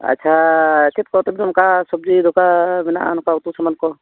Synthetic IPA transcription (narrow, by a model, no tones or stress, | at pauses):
ɐ̰tːʃʰat̪ʰit̪̚kɔt̪ɔbinɔmkasɔb̚d͡ʒid̪ʱɔkabina̰ʔa̰nɔkaut̪usamankɔ